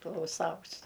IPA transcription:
klˠɐʊˈsɐʊs

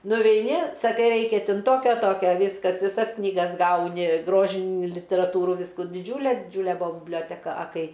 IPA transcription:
nʊʋʲɛɪˈnʲɪ sɐˈkɐɪ ˈrɐɪkʲɛ ˈtʲɪn ˈtoːkʲoː ˈtoːkʲoː ˈʋʲiːskɐs ʋʲɪˈsɐs knʲiːˈɡɐs ˈɡɐʊnʲɪ ˈɡroːʒʲɪn lʲɪtʲɛrɐˈtuːruː ˈʋʲiːskʊ dʲɪˈd͡ʒʲuːlʲɛ dʲɪˈd͡ʒʲuːlʲɛ ˈbʊɐ bʲɪbʲlʲoːtʲɛˈkɐ ɐ ˈkɐɪ

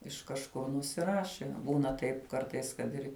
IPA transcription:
ɪʃ kɐʃˈkʊr nʊsʲˈɪrɐʃʲɪ ˈbuːnɐ ˈtɐɪp ˈkɐrtɐɪs kɐt ˈɪr

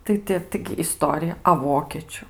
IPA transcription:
ˈtɐɪ tʲɪ ˈtɐɪɡʲɪ ɪˈstoːrʲɪjɛ ɐ ˈʋoːkʲeːt͡ʃʲʊ

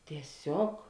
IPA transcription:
tʲiɛˈsʲoːk

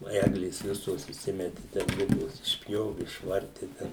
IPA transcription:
nʊ ˈæːɡlʲeːs ˈʋʲɪsoːs iːˈsʲɪmʲɛtʲɪ tʲɛn ˈlʲɪɡoːs ɪʃʲˈpʲjoːʋʲɪ ɪʃˈʋɐrʲtʲɪ ˈtʲɛn

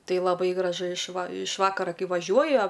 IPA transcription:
ˈtɐɪ lˠɐˈbɐɪ ɡrɐˈʒʊ ɪʃ ʋɐ ɪʃ ˈʋɑːkɐrɐ ˈkɐɪ ʋɐˈʒʲuɔjɛ

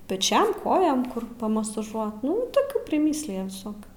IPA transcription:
pʲɛˈt͡ʃʲɛm ˈkoːjoːm ˈkʊr pɐmɐsɐˈʒuɔt ˈnʊ toːˈkʲuː pʲrʲɪˈmʲiːsʲlʲɪjɛ ʋʲɪˈsoːkʲuː

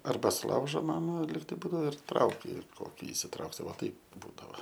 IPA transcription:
ɐrˈbɐ sʊˈlˠɐʊʒoː ˈmɑːmɐ lʲiːkˈtɐɪ ˈbuːdɐoː ɪr ˈtrɐʊkʲɪ ˈkoːkʲɪ ɪsʲɪˈtrɐʊksʲɪ ˈʋɐ ˈtɐɪp ˈbuːdɐʋɐ

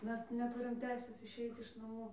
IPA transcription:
ˈmʲɛs nʲɛˈtʊrʲɪm ˈtʲɛɪsʲeːs ɪʃʲˈɛɪt ɪʃ nɐˈmuː

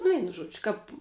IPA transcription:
nʊ ˈʋʲɛɪnʊ ˈʒuɔd͡ʒʲɪ kɐp

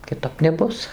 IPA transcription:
kʲɪˈtɐp nʲɛˈbʊs

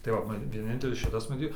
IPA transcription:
tɐɪ ˈʋɐ mɐn ʋʲiɛˈnʲɪnʲtʲɛlʲɪs ˈʃʲɪtɐs mɐˈtʲiːt

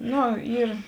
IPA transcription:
ˈnʊ ˈiːr

